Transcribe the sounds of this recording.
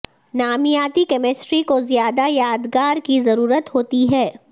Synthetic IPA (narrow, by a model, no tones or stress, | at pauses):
naːmijaːt̪ikɛːmɪsʈɾikozjaːd̪ajaːd̪ɡaːɾkizɐɾuːɾət̪ɦoːt̪iɦɛː